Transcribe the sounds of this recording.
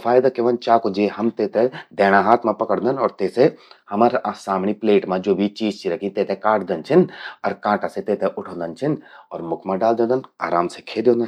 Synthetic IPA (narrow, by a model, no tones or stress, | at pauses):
fʰaːjd̪akeʋənt͡ʃaːkod͡ʒeɦɐmt̪eːt̪ed̪ɛːɽ̃ãɦaːt̪ʰmãpɐkəɽd̪ənɔːɾt̪eːsehɐməɾsaːmɳipleːʈmãd͡ʒoːbʱit͡ʃiːd͡ʒt͡ʃiɾɐkʰĩt̪eːt̪ʰekaːʈd̪ənt͡ʃʰɪnɔːɾkãːʈaset̪eːt̪ʰeʔʊʈʰõːnd̪ənt͡ʃʰɪnɔːɾmʊkʰmãɖaːld̪ẽːnd̪əna̰ːɾaːmsekʰeːd̪õːnd̪ən